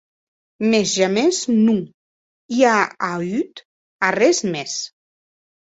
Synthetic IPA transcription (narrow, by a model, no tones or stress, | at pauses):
mezʒameznu | iaayt̪ | arɛzmes